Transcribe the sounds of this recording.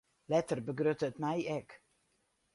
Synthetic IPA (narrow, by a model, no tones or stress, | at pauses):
lɛtərbəɡrøtətmɛjɛk